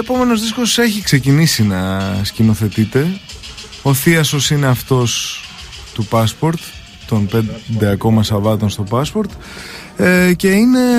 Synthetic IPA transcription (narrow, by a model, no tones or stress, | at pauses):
epo̞me̞no̞zðisko̞se̞çikse̞cinisinɐscino̞θe̞t̪it̪e̞ | o̞θiɐso̞sineɐft̪o̞s | t̪upɐspo̞ɾt̪ː | o̞npe̞d̪e̞ɐko̞mɐsɐvɐt̪o̞nst̪o̞pɐspo̞ɾt̪ | ce̞ine̞